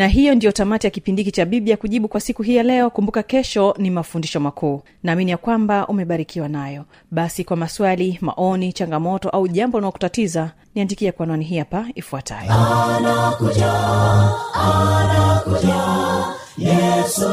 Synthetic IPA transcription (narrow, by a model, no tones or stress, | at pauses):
naɦijɔndijɔtamatijakipindikit͡ʃaɓiɓiakuʄiɓukwasikuɦiːjalɛɔkumbukakɛʃɔnimafundiʃɔmakʰuː | naːminijakwambaʔumɛɓaɾikiwanajɔ | ɓasikwamaswalima̰ʔɔnit͡ʃaŋɡamɔtɔʔauʄambɔunaɔku̥tatiza | niandikiɛkwanwaniɦihapaifuatʰa̰jɔnakua | nakua | jɛ